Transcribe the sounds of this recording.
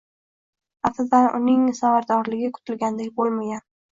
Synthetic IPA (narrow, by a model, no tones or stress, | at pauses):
afazanʔʊ̰nɪŋsavaɾd̪ɒɾlɪɡʲɪkʰʊ̥t̪ʰɪlɡʲand̪ekʲbolˠmaɡʲan